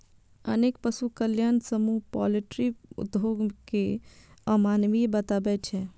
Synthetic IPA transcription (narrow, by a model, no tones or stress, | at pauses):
ə̰nek̚pəsukəljansəmuɦpɔliʈɾiṵd̪ʱoɡkeəmanʋibət̪abɛt͡ʃʰɛ